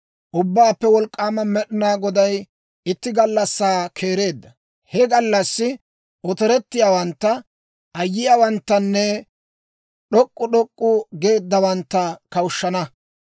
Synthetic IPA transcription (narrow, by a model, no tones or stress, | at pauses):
ʔʊbːaːpːɛwɔlkʼːaːmɐmɛɗɪnaːɡɔd̪ɐj | ɪt̪ːɪɡɐlːɐsːaːkʰe̞ːɾe̞ːd̪ːɐ | hɛɡɐlːɐsːɪ | ɔt̪ɛɾɛt̪ːɪjaːwɐnt̪ːɐ | ʔɐjːɪjaːwɐnt̪ːɐnːɛ | ɗɔkʼːʊɗɔkʼːʊɡe̞ːd̪ːɐwɐnt̪ːɐkɐwʊʃːɐnɐ